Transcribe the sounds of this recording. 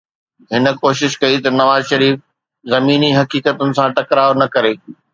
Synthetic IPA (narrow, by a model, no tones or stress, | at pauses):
ɦɪnə̆koːʃɪʃkɐit̪ɐnɐʋaːzʃɐɾiːf | zɐmiːniɦɐkiːkət̪ʊnɪ̆sãʈɐkɾaːonɐkɐɾeː